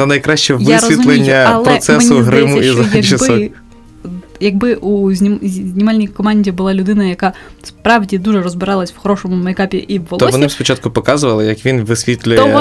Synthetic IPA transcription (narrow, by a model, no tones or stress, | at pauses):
ɐnɐjkɾɑɕt͡ʃɛʋɪsʲʋzʲit̪lˠenʲːɐɐlˠpɾɔsmɛsʊɦɾɪmuizɐjɐʃɪsbɔ | jɐɡ̚bɪʔuzʲzʲnʲimɑlʲnʲijkɔmɑnʲdʲibʊlˠɑlʲʊd̪ɪnɐjɐkɑ | spɾɑwdʲid̪uʒɛrɔzbɪɾɑlˠɐsʲw̥xɔɾɔʃɔmʊmɐjkɑpʲiʔiwːɔɔʋɔnɪspɔt͡ʃɑt̪̚kʊpɔkɑzʊʋɐlˠɪjɐkʋʲinʋɪsʲʋʲit̪ʲlʲʊjɛ